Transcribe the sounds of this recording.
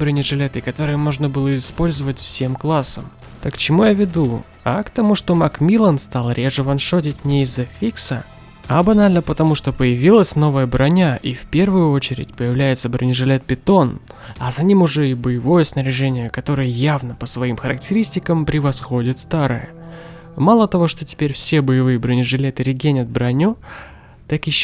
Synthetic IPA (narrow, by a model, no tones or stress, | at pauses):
bɾɨnʲɪʐɨlʲet̪ɨkɐt̪o̞ɾɨjəmo̞ʐnəbɨlˠəɪspo̞lʲzəvətʲfsʲe̞mklˠasːəm | t̪əkt͡ɕɪmujavʲɪd̪u | ɐ̰kt̪ɐmuʂt̪o̞makmʲilˠənst̪alˠɾʲe̞ʐɨvɐnʂo̞t̬ʲɪtʲnʲɪɪzːɐfʲiksə̰ | ɐbɐnalʲnəpət̪ɐmuʂt̪o̞pəjɪvʲilˠəsʲno̞vəjəbɾʔɐnʲaʔifpʲe̞rvʊjʊot͡ɕɪɾʲɪ̰tʲpəjɪvlʲæjɪt̪səbɾənʲɪʐɨlʲet̪̚pʲɪt̪o̞n | ɐzɐnʲimʊʐɛibəjɪvo̞jəsnəɾʲɪʐɛnʲɪjəkɐt̪o̞ɾɨjəjavnəpəsvɐimxəɾəktʲɪɾʲisʲtʲɪkəmpɾʲɪvɐsxo̞dʲɪt̪st̪aɾə̰jə̰ | malˠət̪ɐvo̞ʂt̪o̞tʲɪ̥pʲeɾʲfsʲe̞bəjɪvɨjəbɾənʲɪʐɨlʲet̪ɨɾʲɪɡʲenʲət̪̚bɾɐnʲu | t̪akɪɕː